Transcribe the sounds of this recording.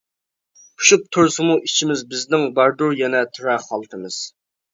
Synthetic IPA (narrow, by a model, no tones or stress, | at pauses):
pʰu̥ʃuq̚t̪ʰoɾsɨmuit͡ʃʰimɪzbɪznɪŋbɑɾd̪uɾjɛnɛt̪ʰuɾæχɑlˠt̪ʰɨmɨz̥